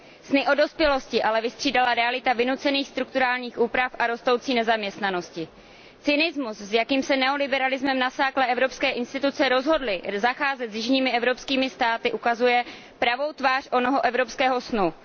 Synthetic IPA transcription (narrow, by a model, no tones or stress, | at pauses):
snɪʔo̞do̞spjɛlo̞scɪʔalɛvɪst̪r̥iːdalaɾɛalɪt̪avɪnut͡sɛniːxst̪ɾuk̚t̪uɾaːlɲiːxʔuːpɾafʔaɾo̞st̪o̞wt͡siːnɛzamɲɛst̪nano̞scɪ | t͡sɪnɪzmuszjakiːmsɛnɛo̞lɪbɛɾalɪzmɛmnasaːklɛʔɛvɾo̞pskɛːʔɪnst̪ɪt̪ut͡sɛɾo̞zɦo̞dlɪzaxaːzɛt̪zjɪʒɲiːmɪʔɛvɾo̞pskiːmɪst̪aːt̪ɪʔukazujɛ | pɾavo̞wt̪vaːr̥ʔo̞noɦo̞ʔɛvɾo̞pskɛːɦo̞snu